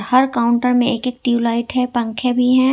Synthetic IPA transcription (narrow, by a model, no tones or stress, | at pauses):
ɾhɐɾkaːʊ̃ɳʈəɾmẽeːkeːk̚ʈiulaːɪʈɦɛpɐ̃ŋkʰebʱiɦɛ̃ː